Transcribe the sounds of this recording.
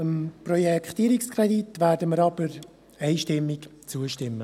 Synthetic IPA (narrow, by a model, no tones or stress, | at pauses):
əmprɔjɛkχt̪iːɾikskʰrɛditʋæːɾdəməɾɑb̥əɾ | ɛɪʃtɪmːikt͡suəʃtɪmːə